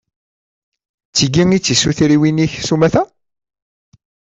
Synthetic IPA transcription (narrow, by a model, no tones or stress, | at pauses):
t͡sːiɡiŋit͡sːisuθɾiwiniçsumæθæ